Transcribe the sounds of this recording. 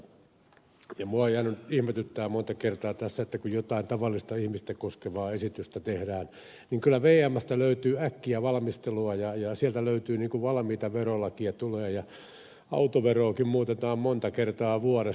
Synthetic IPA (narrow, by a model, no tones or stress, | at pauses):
jɑmuɑejænynihmet̪yt̪ːæːmont̪ɑkert̪ɑːt̪æsːæet̪ːækujjot̪ɑint̪ɑʋɑlːist̪ɑihmist̪ekoskeʋɑːesit̪yst̪æt̪ehdæːn | niŋkylːˑæʋeːæmːæst̪æløyt̪yːækːiæʋɑlɑmist̪eluɑjɑjɑsiælt̪æløyt̪yːniːŋkuʋɑlɑmiːt̪ɑʋerolːɑkiɑt̪uleːjɑ | ɑ̰ut̪oʋeroːkimmuːt̪et̪ɑːmmont̪ɑkert̪ɑːʋuɑɾe